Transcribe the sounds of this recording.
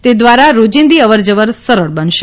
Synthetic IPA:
t̪ed̪ʋaɾaɾod͡ʒĩnd̪iəʋəɾd͡ʒəʋəɾsəɾəɭbənʃe

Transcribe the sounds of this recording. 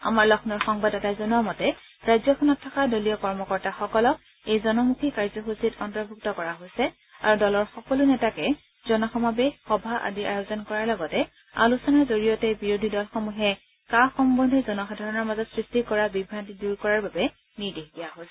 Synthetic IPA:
a̰maɹlɔxʰnɔɹxɔŋbadɛtazɔnuamɔtɛ | ɹajzjɔxʰɔnɔtʰːakadolijɔkɔɹmɔkɔɹtaxɔkɔlɔk̚ | ejzɔnɔmukʰikaɹzɔxusitɔntɔɹbʱuk̚tɔkɔɹaɦojsɛ | a̰ɹudɔlɔɹxɔkɔlunɛtakɛ | zɔnɔxɔmabexɔbʱaʔa̰diʔa̰jozɔnkɔɹaɹlɔɡɔtɛ | a̰lusɔnaɹzoɹijɔtɛbiɹodʱidɔlxɔmuɦɛ | kaxɔmbɔndʱɛzɔnɔxadʱaɹɔnɔɹmazɔtsɹistikɔɹabibʱɹantiduɹkɔɹaɹbabɛ | niɹdeɦdijaɦojsɛ

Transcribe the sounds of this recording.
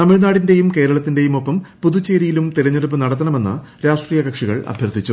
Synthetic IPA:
nɐmiɻnaːɽinde̞jumke̞ːɾɐɭɐt̪ːinde̞jumo̞pːɐmpuðut͡ɕːeːɾijilumt̪ilɐɲːɐɽup̬ːɨnɐɽɐt̪̬ːɐnɐme̞nːɨ̰ | ɾaːʂʈriːjɐkɐkʂiɣɐ̰ɭɐ̰bʱjɐrd̪it͡ɕːu

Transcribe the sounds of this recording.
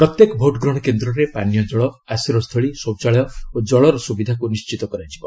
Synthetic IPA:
pɾɔt̪jekɔbʱoʈɡɾɔɽ̃ɔkend̪ɾɔɾepanjɔd͡ʒɔɭɔ | asiɾɔst̪ʰɔɭisowt͡ʃaɭɔjɔod͡ʒɔɭɔɾɔsubid̪ʱakunist͡ʃit̪ɔkɔɾajd͡ʒibɔ

